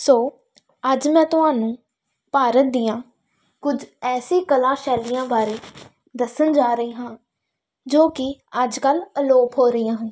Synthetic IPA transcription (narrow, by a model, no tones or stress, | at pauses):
soː | əd͡ʒmɛ̃ːt̪ʊɦaːnũː | paːɾət̪̚d̪ɪjãː | kʊd͡ʒɛːsiːkəlãːʃɛːlijãːbaːɾeː | d̪əsənd͡ʒaːɾəiːɦãː | d͡ʒoːkɪəd͡ʒkələloːpɦoːɾəijãːɦũː